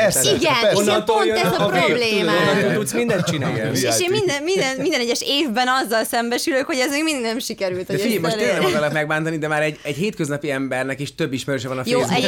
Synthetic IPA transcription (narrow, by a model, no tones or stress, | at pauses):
iɡɛn | ɛzɒprobbleːmɛot̪ut̪smind̪ɛn̚t͡ʃinaːjjɛeːʃeːmmind̪ɛnmind̪ɛnmind̪ɛnɛɟːɛʃeːvbɛnɒzːɒlsɛmbɛʃyløkho̞ɟɛzmeːɡmind̪iɡnɛmʃikɛɾylt̪hod̪ɛiɟɛmoʃtt̪eːɛmɒɡɔlɒt̪mɛɡ̚baːnt̪ɒnid̪ɛmaːɾɛɟɛɟheːt̪køznɒpiɛmbɛrnɛkeʃt̪ø̞bːiʃmɛɾøːʃɛvɒnɒfjoːɛ